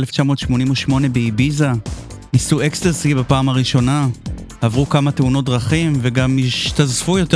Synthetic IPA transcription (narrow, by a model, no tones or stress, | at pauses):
left͡ʃamo̞ːtʃmo̞nimuʃmo̞ne̞beibiza | nisuekst̪asibapaːmaʁiʃo̞na | havʁukamateuno̞t̚dʁaχimveɡamiʃt̪azfujo̞t